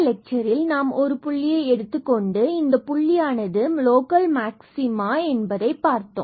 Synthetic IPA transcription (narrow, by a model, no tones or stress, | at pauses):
lɛk̚t͡ʃɐɾɪlnaːmɔɾɯpʊɭːɪjɐɪɛɽɯt̪ːɯkːɔɳɖɯɪnd̪ɐpʊɭːɪjaːnɐðɯmloːkɐlmaːksɪmaːɛnbɐðɐɪpːaːɾt̪ːõ̰ː